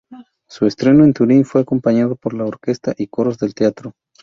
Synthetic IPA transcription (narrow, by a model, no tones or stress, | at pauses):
sue̞st̪ɾe̞no̞e̞nt̪uɾinfwe̞ako̞mpaɲaðo̞po̞ɾlaoɾke̞st̪aʔiko̞ɾozðe̞lt̪eat̪ɾo̞